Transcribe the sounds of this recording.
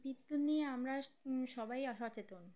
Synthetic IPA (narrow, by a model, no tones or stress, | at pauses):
bit̪ːunːieamɾaʃɔbajɔʃat͡ɕet̪on